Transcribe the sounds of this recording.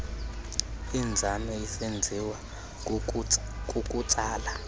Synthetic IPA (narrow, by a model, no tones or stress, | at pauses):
ind͡zʱamɛisend͡zʱiwa | kʼukʼut͡sʼaːla